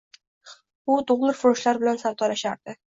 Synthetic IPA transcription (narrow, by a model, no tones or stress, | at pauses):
ʊt̪ʰʊʁlˠɪɾfʊɾʊʃlaɾbɪlansaɾt̪ʰɒlaʃaɾd̪̥ɪ